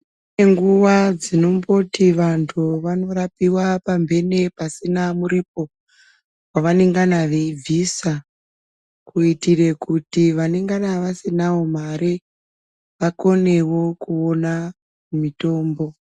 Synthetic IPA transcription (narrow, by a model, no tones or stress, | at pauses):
ne̞ŋɡuwad͡zino̞mbo̞tiʋantʰuʋano̞ɾapiwapambe̞ne̞pasinamuɾip̚o̞ | waʋane̞ŋɡanaʋeib͡vʱisa | kuitire̞kutiʋaneŋɡanaʋasinawo̞maɾe | ʋako̞ne̞wo̞kuona | mumito̞ːmbo̞